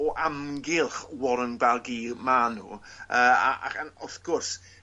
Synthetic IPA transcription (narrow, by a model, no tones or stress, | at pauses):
ɔʔamɡɪlˠχwɔɾənɡwɛlˠɡiːmanṵːəːa̰ʔa̰χanɔθɡ̥ɔrs